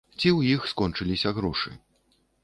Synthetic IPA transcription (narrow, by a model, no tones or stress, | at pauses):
t͡sʲiwjixskɔnt͡ʂɨlʲisʲɐɣɾɔʂɨ̰